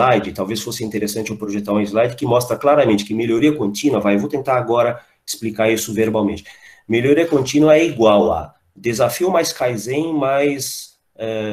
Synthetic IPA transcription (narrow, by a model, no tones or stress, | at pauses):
ajd͡ʒɪt̪awvesfosɪĩt̪eɾesɐ̃t͡ʃɪawpɾoʒet̪aɾw̃izlajd͡ʒɪkɪmɔst̪ɾɐklaɾɐmẽnt͡ʃɪ̥kɪmeʎoɾiɐkõnt͡ʃĩnwɐvajewvowt̪ẽnt̪aɾaɡɔɾɐ | ɪ̥splikaɾisʊveɾbawmẽnt͡ʃɪ̥ | meʎoɾiɐkõnt͡ʃĩnwɐɛiɡwawa̰ | d̪ezafiʊmajskajzẽj̃majs | ɛ